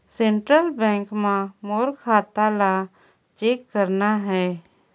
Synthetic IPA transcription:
sẽːɳʈɾəlbɛ̃ːŋkmãmoːɾkʰaːt̪ala | t͡ʃeːkːəɾnaɦɛː

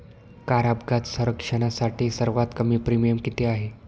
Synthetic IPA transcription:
kaɾabɡat̪səɾəkʂəɽ̃asaʈiːsəɾʋat̪kəmiːpɾimijəmkit̪eaɦe

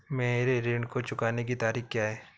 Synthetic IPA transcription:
meːɾeɾeːɳɖkot͡ʃʊkaːnekit̪aːɾiːxkjaːɦɛː

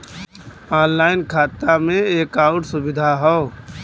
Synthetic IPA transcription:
aːnlaːɪnkʰaːt̪amẽeːkaːʊʈsʊbɪd̪ʱaɦɔː

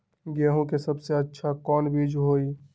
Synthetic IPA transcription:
ɡeːɦũkesəbseətːʃʰakɔːnbʱid͡ʒɦoːi

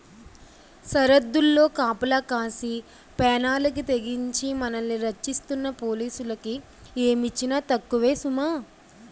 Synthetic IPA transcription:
sɐɾɐd̪ːulːo̞ːkaːpɐlɐkaːsi | pɛːnaːlɐk̬it̪e̞ɡiɲt͡ʃimɐnɐnːiɾɐt͡ʃːist̪unːɐpo̞ːliːsulɐki | eːmit͡ʃːinaːt̪ɐkːuʋe̞ːsumaː

